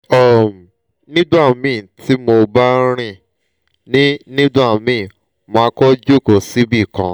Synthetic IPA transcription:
ɔ˨m˨ | nĩ˦dũ˦a˦˨mĩ˨˦˨ti˨˦mo˧ba˦ɾ̃ĩ˦˨ | nĩ˦nĩ˦dũ˦a˦˨mĩ˨˦˨ | mõ˧a˧kɔ˦d͡ʒo˦˨ko˨si˦bi˦˨kã̰˧

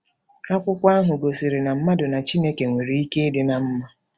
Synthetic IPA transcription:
a˦kʷʊ˦kʷa˦ɦʊ˨ɡo˨si˨ɾi˨na˨m̩˦ma˦dʊ˨na˨t͡ʃi˦ne˦ke˨ŋʷe˨ɾi˨i˦ke˦e˦dɪ˦na˨m̩˦ma˦

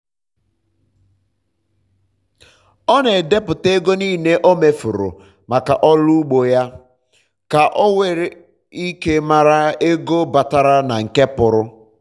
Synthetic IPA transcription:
ɔ˦ne˨de˦pʊ˨te˦ɡo˦niː˦˨ne˦ʔo˦me˨fʊ˨ɾʊ̰˨ | ma˨ka˨ʔɔ˦lu˦u˦ɡ͡bo˨ja˦ | ka˨ʔɔ˦we˨ɾɪ˨ | i˦ke˦ma˦ɾa˦e˦ɡo˦ba˨ta˦ɾa˦na˨ŋ̩˨ke˦pʊ˨ɾʊ˦

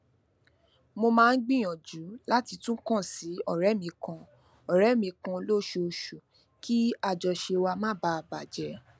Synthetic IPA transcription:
mo˧mãː˦˧n̩˦ɡ͡bĩ˦j̃ɔ̃˨d͡ʒu˨˦la˦ti˧tũ˦kɔ̃˦˨si˨˦ɔ˦˨ɾɛ˨˦˨mĩ˧kã˧ | ɔ˨ɾɛ˨˦mĩ˧kã˧lo˦ʃo˧ʃu˨ | ki˦a˧d͡ʒɔ˨ʃe˧wa˧mãː˦˨ba˨˦˨ba˨d͡ʒɛ˨˧˦

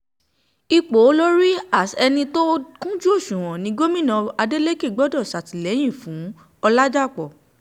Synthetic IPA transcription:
i˧k͡po˨˦lo˦ɾi˦a˦˨sɛ˧nĩ˧to˦kũ˦d͡ʒu˦o˦˨ʃũ˨ɾ̃ɔ̃˨nĩ˨˦ɡo˦mĩ˦˨nɔ̃˨˧a˧de˦le˦ke˦˨ɡ͡bɔ˦dɔ˦˨sa˨ti˨lɛ˨˦j̃ĩ˦˨fũ˨˦ | ɔ˧la˦d͡ʒa˦˨k͡pɔ˨

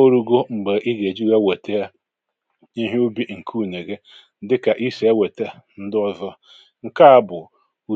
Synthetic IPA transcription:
o˦ɾu˦ɡo˦ŋ͡m̩˨ɡ͡be˨ʔi˦ɡe˨d͡ʒi˦ɣa˦we˨te˦a˦ | i˦ɦe˦u˦bi˦ŋ̩˨kʰu˦˨ne˨ɡe˦ | dɪ˦ka˨ʔi˦se˨˦e˦we˨te˦n̩˦dɔ˦zɔ˦ | ŋ̩˨ka˦a˦bʊ˨ | u˨

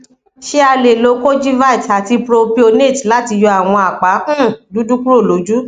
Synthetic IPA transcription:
ʃe˦a˧le˨lo˨˦ko˦d͡ʒi˦va˦i˨ta˨ti˧pɾo˧pi˧o˧ne˦˨tla˦ti˧jɔ˧a˦˨w̃ɔ̃˧a˨k͡pa˨˦ũ˦˨du˨˦du˦ku˦ɾo˦˨lo˨˦d͡ʒu˦

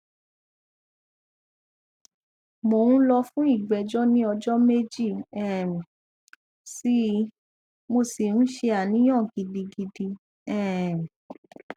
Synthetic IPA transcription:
mo˨ũ˦lɔ˧fũ˦i˦˨ɡ͡bɛ˨d͡ʒɔ˦nĩ˦ɔ˧d͡ʒɔ˦me˦d͡ʒi˦˨ɛ˦˨mĩ˨ | si˦ | mo˧˨sĩ˨˦ʃe˧a˨nĩ˨˦j̃ã˦˨ɡi˨di˧ɡi˧di˧ | ɛ̃˦˨

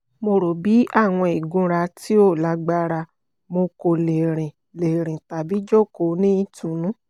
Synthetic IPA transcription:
mo˧ɾo˨bi˨˦a˦˨w̃ɔ̃˧i˨ɡũ˧˦ɾa˧ti˦o˦˨la˨˦ɡ͡ba˦ɾa˧ | mo˧ko˨le˨ɾ̃ĩ˨ | le˨ɾ̃ĩ˨ta˨bi˨˦d͡ʒo˦˨ko˨˦nĩ˦tũ˨˦nũ˦

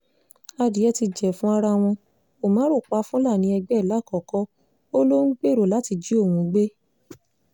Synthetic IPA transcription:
a˧di˨˦ɛ˧ti˧d͡ʒɛ˨fũ˦a˧ɾa˧w̃ɔ̃˧ | o˨mã˨˦ɾo˦˨k͡pa˧˦fũ˦la˦˨nĩ˧˦ɛ˧ɡ͡bɛ˦˨la˨˦˨kɔ˨kɔ˦ | o˦lo˦n̩˦k͡pe˦˨ɾo˨la˨˦ti˧d͡ʒi˨˦o˦˨wũ˧ɡ͡be˦

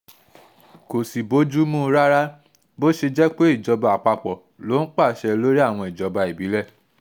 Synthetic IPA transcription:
ko˨si˨bo˨˦d͡ʒu˦mũ˦˧ɾa˦ɾa˦ | bo˦ʃe˧d͡ʒɛ˦k͡pe˦i˦˨d͡ʒɔ˧ba˨a˨k͡pa˧k͡pɔ˨ | lo˨˦n̩˦k͡pa˦˨ʃɛ˧lo˦ɾi˦a˦˨w̃ɔ̃˧i˨d͡ʒɔ˨˧ba˧i˨bi˨˦lɛ˦˨

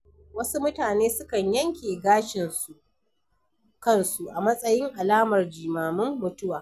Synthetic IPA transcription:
wɐ˦su˦mʊ˦taː˨neː˦sʊ˦kɐ˨ɲjɐ˦ŋkʲeː˨ɡaː˦ʃɪ˨nsu˨ʔ | kɐ˦nsu˨ʔa˨mɐ˦sʼɐ˦jɪ˦ŋʔa˨laː˦mɐ˨rd͡ʒiː˨maː˨mɪ˦mːʊ˦tʊ˦waː˨

